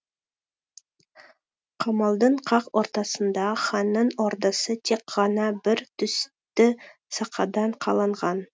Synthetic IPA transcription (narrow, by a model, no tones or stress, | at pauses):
qʰɑmɑlˠd̪əɴqʰɑqoɾt̪ɑsənd̪ɑχɑnːənoɾd̪ɑsət̪ʰekɑnɑbɪɾt̪ʰʏs | t̪ɪ | sɑqʰɑd̪ɑɴqʰɑlˠɑɴʁɑn